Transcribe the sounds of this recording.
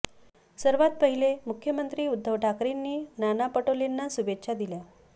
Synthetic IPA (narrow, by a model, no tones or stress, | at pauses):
səɾʋat̪̚pəɦilemukʰjəmənt̪ɾiːud̪ʱːəʋʈʰakɾinːiːnanapəʈolenːasubekːɕʰad̪ilja